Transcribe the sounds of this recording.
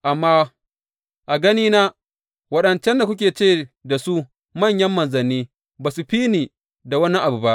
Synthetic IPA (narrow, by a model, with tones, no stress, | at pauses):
ʔa˨mːaː˦ | ʔa˨ɡɐ˦niː˦naː˦ | wɐ˦ɗɐ˨nt͡ʃɛ˦nda˨kʷʊ˦k̬ʲeː˨t͡ʃeː˦˨da˨su˦ | mɐ˦˨ɲjɐ˦mːɐ˨nzɐ˨nːiː˦ | baː˨su˨ɸiː˦niː˨ | da˨wɐ˦nːi˦ʔa˨bu˨ba˦ʔ